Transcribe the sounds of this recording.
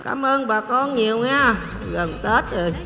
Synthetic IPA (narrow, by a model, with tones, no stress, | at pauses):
ka̰ː˨˦mʔəː˧nɓaː˨˩kɔ˧nɲi˨˩əwɲaː˧ | ɣə˨˩nt̪e˦˥t̚ʔəː˨˩j